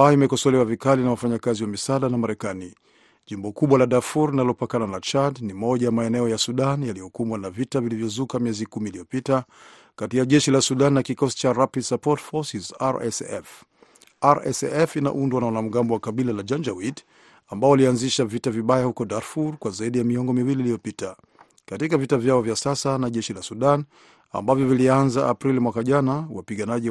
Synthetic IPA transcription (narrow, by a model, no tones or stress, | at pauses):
aimɛkɔsɔlɛwavikalinawafaɲakaziwamisaːɗanamaɾɛkani | ʄimbɔkuɓwalaɗafuɾlinalɔpakananat͡ʃadnimɔʄajamaɛnɛɔjasuɗanjalijɔkumwanavitavilivjɔzukamijɛzikumiːlijɔpita | katiaʄɛʃilasuɗanːakikɔsi̥t͡ʃaɾapisapɔtfɔsizaɾɛsɛ̰f | aɾɛ̰sɛfina̰ʔundwanawanam̩ɠambɔwakaɓilalad͡ʒand͡ʒawit | ambaɔwalianziʃavitaviɓajahukɔdaɾfuɾkwazaiɗijamiɔŋɡɔmiwiliːlijɔpita | katikavitavjaɔvjasasanaʄɛʃilasuɗan | a̰mbavjɔvilianzaʔapɾilimwakaʄanawapiɠanaʄi